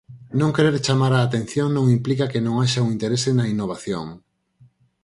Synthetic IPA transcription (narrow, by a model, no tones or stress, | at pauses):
nõŋkeɾeɾt͡ʃamaɾaːt̪en̟θjoŋnõŋimplikakenõŋaʃauŋint̪eɾesenɐinoβ̞aθjo̰ŋ